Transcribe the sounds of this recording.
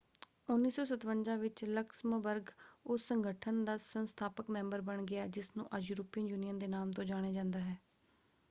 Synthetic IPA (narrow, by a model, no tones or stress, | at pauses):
ʊnːiːsɔːsət̪ʋəɲd͡ʒãːʋɪt͡ʃləkʃməbəɾɡʊsːəŋɡəʈʰənd̪aːsənst̪ʰaːpəkmɛ̃ːmbəɾbəɳɡɪaːd͡ʒɪsnṵ̃ːʔəd͡ʒɾʊpinjuːnijənd̪eːnaːmt̪õːd͡ʒaːɽ̃eːd͡ʒãːnd̪aːɦɛː